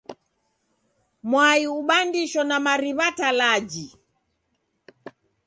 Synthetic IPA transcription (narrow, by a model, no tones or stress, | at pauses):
mwaiuɓandiʃɔnamaɾiβatalad͡ʒi